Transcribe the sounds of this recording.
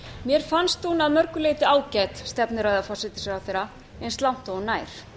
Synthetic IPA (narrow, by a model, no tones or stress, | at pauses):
mjɛɾ̥fanst̪unaðmœɾkʏleːjt̪ɪaːwcɛt̪st̪ɛpnɪɾajðafɔsɪt̪ɪ̥sɾawθeːɾa | ɛnst̪lawm̥t̪oɔnaːjɾ̥